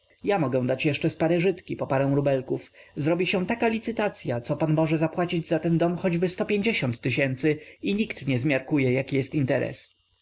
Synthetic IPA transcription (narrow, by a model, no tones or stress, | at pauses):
jamɔɡɛw̃d̪at͡ɕjɛʂt͡ʂɛspaɾɛʐɘt̪kʲipɔpaɾɛ̃w̃ɾubɛlkufzɾɔbʲiɕɛ̃t̪akalʲit̪sɘt̪at̪sʲjat̪sɔpanmɔʐɛzapwat͡ɕid͡ʑzat̪ɛnd̪ɔmxɔd͡ʑbɘst̪ɔpʲjeɲd͡ʑeɕɔnt̪ːɘɕɛnt̪sɘiɲikt̪ɲɛzmʲjaɾkujɛjakʲijɛst̪int̪ɛɾɛ̰s